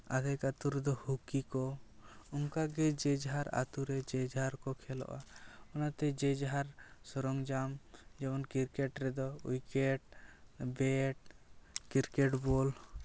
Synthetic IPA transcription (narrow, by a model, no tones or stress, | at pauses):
a̰ɡajkat̪uɾɛd̪ɔhukikɔɔŋkaɡɛd͡ʒɛd͡ʒɦaɾa̰t̪uɾɛd͡ʒɛd͡ʒɦaɾkɔkʰɛlɔ̰ʔaɔnat̪ɛd͡ʒɛd͡ʒɦaɾsɔɾɔŋd͡ʒamd͡ʒɛmɔnkiɾkɛʈɾɛd̪ɔujkɛʈbɛʈkiɾkɛʈbɔl